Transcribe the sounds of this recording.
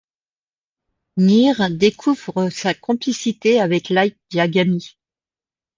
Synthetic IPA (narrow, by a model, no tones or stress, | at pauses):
niʁd̪ekʰuvʁəsakɔ̃plisit̪eavɛklajk̚d̪jaɡami